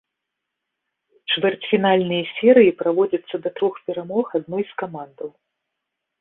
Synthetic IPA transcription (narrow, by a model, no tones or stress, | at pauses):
t͡ʂvʲɛrt͡sʲfʲinalʲnɨjɐsʲɛɾɨjipɾavɔd͡zʲɐt̪sːɐd̪ɐt̪ɾɔxpʲɛɾamɔxad̪̚nɔjskamand̪ɐw